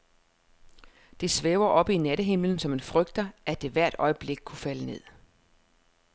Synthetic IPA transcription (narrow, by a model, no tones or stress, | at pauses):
d̥e̝sʋeːʊɐʔɒ̽b̥inæɾəɦe̝mln̩sɒ̽me̝nfʁœɡ̥̚d̥ɐʔæd̥e̝ʋæɐ̰d̥ɒ̽ɪəb̥le̝ɡ̥̚kʰufæləne̝ð̰ˠ